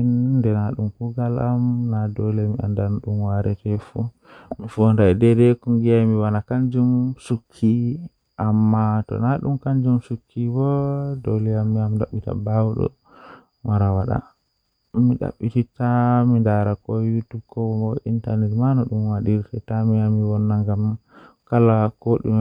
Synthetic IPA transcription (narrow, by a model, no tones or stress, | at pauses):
inːdɛnaɗumkuɡalamnadolɛmia̰ndanɔɗumwaɾɛtɛfu | mifondaɛdɛdɛkuŋɡijajmiwanakaɲd͡ʒumsukʰːi | ʔamːatɔ̰naɗumkaɲd͡ʒumsukʰːibɔdolijamːiamɗaɓːita̰bawɗɔ̰ | waɾawaɗa̰ | mːiɗa̰ɓːititamindaɾakɔjutub̚kɔwɔɔʔintanɛtmanɔɗumwaɗiɾtɛtamiamiwɔnːaŋɡamkalakoɗḭ